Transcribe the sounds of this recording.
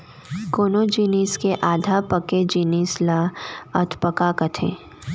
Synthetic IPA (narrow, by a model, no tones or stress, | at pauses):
koːnoːd͡ʒiːniːskeʔaːd̪ʱapɐked͡ʒiːniːslaɐt̪ʰpəkakɐt̪ʰḛ̃ː